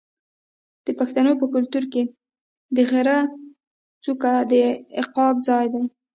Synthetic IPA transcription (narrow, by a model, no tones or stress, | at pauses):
d̪̥əpaxt̪anopəkʊlt̪uɾke | d̪əɣɪɾa | t͡sukad̪əɪqɑbzɑjd̪aj